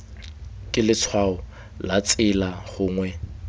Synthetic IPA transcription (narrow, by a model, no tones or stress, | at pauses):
kʼɪlɪt͡sʰwaɔ | lat͡sʼɪlaχʊːŋwɛ